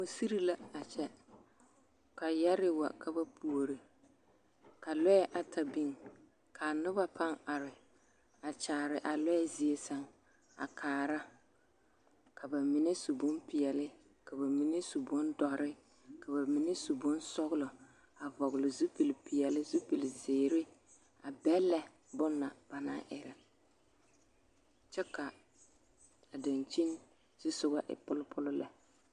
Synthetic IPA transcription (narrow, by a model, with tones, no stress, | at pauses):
mo˨si˦ɾi˦la˦a˨t͡ʃɛ˦ | ka˨jɛ˦ɾɪ˦wa̰˨kʰa˦ba˦pʰu˨o˨ɾɪ˨ | ka˨lɔ˦ɛ˦ʔa˨ta˨bɪ˦ŋ | kʰa˨nʊ˦ba˦pʰa˦ŋa˨ɾɪ˨ | a˨t͡ʃaː˨ɾɪ˨ʔa˨lɔ˦ɛ˦zɪ˨e˦sa˦ŋ | a̰˨kʰaː˨ɾa˦ | kʰa˨ba˨mɪ˨ne˦su˨bʊ˦npɪ˨ɛ˨lɪ˦ | ka˨ba˨mi˦ne˦su˨bʊ˦ndɔ˨ɾɪ˦ | ka˨ba˨mi˨ne˦su˨bʊ˦n˦sɔ˦ɣʊ˦lɔ˨ | a˨vɔ˨ɣʊ˨lɪ˨zu˦pi˨lpɪ˨jɛ˨lɪ˦zu˦pi˨lɪ˨zɪː˨ɾɪ˦ | a˨bɛ˦lːɛ˨ | bʊ˦nːa˨b̥a˨na̰ː˦ʔɪ˨ɾɪ˨ | t͡ʃɛ˦ka˨ | a˨da˨nt͡ʃi˦n | z̥ʊ˦sʊ˦ɡa˦ʔɪ̰˨pʊ˦lʊ˦pʰʊ˦lʊ˦lɛ̰˨